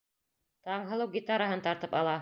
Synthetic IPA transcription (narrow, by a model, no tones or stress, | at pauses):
t̪ɑɴɦɤ̆lˠɤwɡʲit̪aɾaɦɤnt̪ɑɾt̪ɤpɑlˠɑ